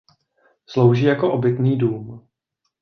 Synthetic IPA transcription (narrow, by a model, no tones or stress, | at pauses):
slowʒiːjako̞ʔobɪkniːduːm